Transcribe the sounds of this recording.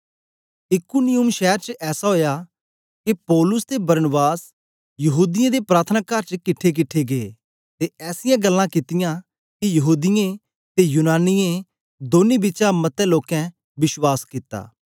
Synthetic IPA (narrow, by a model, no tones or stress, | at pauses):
ɪkʊnɪjʊmʃɛːəɾt͡ʃəʔɛːsaɦoːja | kepɔːlʊst̪ebɐɾnəbaːs | jɐɦuːd̪ɪjãd̪epɾaːt̪ʰənaːkɐɾt͡ʃəkɪʈʰːek̬ɪʈʰːeɡee | t̪eɛːsɪjãːɡɐlːãkɪt̪ɪjã | kijɐɦuːd̪ɪjẽ | t̪ejunaːnɪjẽ | d̪oːnibɪt͡ʃãmɐt̪ɛ̃loːkɛ̃ | bɪʃwaːskɪt̪a̰ː